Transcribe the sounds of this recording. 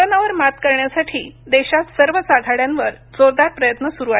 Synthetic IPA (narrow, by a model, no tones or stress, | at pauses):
onaʋəɾmat̪kəɾɳjasaʈʰiːd̪eɕat̪səɾʋəsaɡʱaɽjãnʋəɾ | d͡zoɾd̪aɾpɾəjət̪nəsuɾua